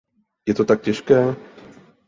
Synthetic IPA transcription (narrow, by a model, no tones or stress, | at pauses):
jɛt̪ot̪ak̚cɛʃkɛː